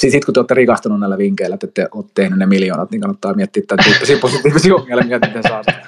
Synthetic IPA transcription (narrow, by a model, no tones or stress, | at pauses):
sisit̪kut̪yoːt̪ːerikɑst̪ununnæilːˑæʋiŋkeilːˑæt̪ːet̪ːeʔoːt̪t̪ehnynnemiljoːnɑt̪niːŋkɑnːɑt̪ːɑːmiet̪ːiːet̪ːænt̪ysiːposit̪iːʋisiːoŋːelmiet̪it̪esɑːsit̪